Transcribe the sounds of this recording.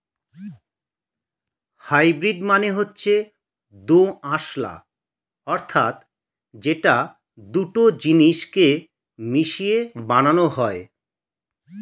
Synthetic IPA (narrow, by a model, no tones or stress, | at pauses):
hajbɾiɖmaneɦotːɕʰe | d̪oaʃla̰ | ɔɾt̪ʰat̪ | d͡ʑeʈa | d̪uʈod͡ʑiniʃke | miʃiebananoɦɔe